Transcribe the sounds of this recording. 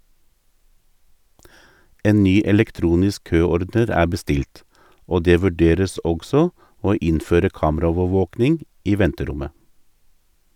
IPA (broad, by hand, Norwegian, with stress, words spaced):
ˈeːn ˈnyː ɛlɛkˈtɾuːnɪsk ˈkøːˌɔɾdəɾ ˈæː bəˈstɪlt ˈoː ˈdeː ʋʉˈɖeːɾəs ˈɔɡsɔ ˈoː ˈɪnføːɾə ˈkɑːmˌɾoːʋəˌʋoːknɪŋ ˈiː ˈʋɛntəˌɾʊmə